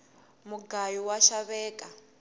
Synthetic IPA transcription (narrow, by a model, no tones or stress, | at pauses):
muɡajuwaʃaβɛːkʼa